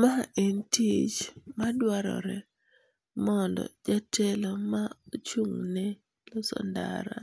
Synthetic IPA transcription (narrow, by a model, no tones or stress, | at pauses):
maʔentit͡ʃmadwaɾɔ̰ɾɛ | mɔndɔ̰d͡ʒatʰɛlomaot͡ʃuŋnɛ | losɔ̰nda̰ɾa̰